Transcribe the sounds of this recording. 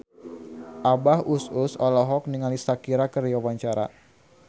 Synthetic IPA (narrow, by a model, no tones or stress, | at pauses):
ʔabahususɔlɔɦɔk̚niŋalisakiɾakərjawaɲt͡ʃaɾa̰